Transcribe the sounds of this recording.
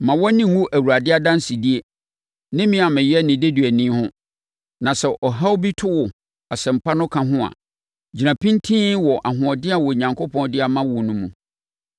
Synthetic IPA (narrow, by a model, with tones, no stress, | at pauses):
mã˨wɔ˦nɪ̃˦ŋ˦wũ˦ʔæ˨wu˨ɾa˨dɪ˦a˦dã˦n˦si˨di˦e˦ | nɪ̃˦mĩ˦a˨mɪ̃˨jɛ˦nɪ̃˨de˦dɥæ˨nĩ˦hʊ̃˦ | nã˨sɛ˨ʔɔ˨ɦa˦wbi˦tʰʊ˦wɔ˨ | a˨sɛ˨m̩˨pʰa˦nʊ̃˦kʰã˨ɦʊ̃˦a̰˨ | d͡ʑi˨nã˨pʰĩ˦n˦tʰĩ˦wɔ˨ʔa˨ɦʊ̃˨ɔ˨dɪ˦a˨wɔ˨ɲã˨ŋkʰo˦pʰɔ̃˦ndɪ˦a˨mã˦wɔ˨nʊ̃˦mṵ̃˨